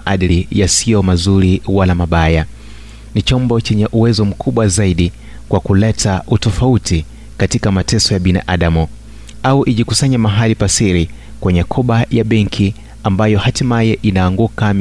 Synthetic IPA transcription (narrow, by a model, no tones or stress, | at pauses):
ʔaɗilijasijɔmazuɾiwalamaɓaja | nit͡ʃɔmbɔt͡ʃɛɲɛʔuwɛzɔm̩kʰuɓwazaiɗi | kwakulɛtautɔfauti | katikamatɛsɔjaɓina̰ʔaɗamu | auʔiʄikusaɲamaɦalipasiɾi | kwɛɲɛkʰɔɓajaɓɛŋkʰi | ambajɔhatimajɛʔinaːŋɡukam